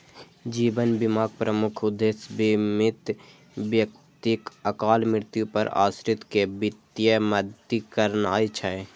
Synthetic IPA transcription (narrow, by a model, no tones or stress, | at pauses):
d͡ʒiːbənbɪmaːɡ̚pɾəmʊkʰʊd̪ːeːsbɪmɪt̪ | bjək | t̪ɪkəkaːlmɪɾt̪jupəɾa̰ːsɾɪt̪kebɪt̪jəməd̪ikəɾnaːit͡ʃʰəe